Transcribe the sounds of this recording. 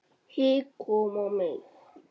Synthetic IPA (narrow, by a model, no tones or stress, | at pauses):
hikʰomɔ̃mẽ